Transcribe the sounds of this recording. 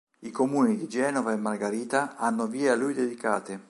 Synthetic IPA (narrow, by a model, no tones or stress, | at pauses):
ikomuːnid̪id͡ʒɛːnɔvaemːarɡaɾiːt̪aanːoviːealːujd̪ed̪ikaːt̪ɪ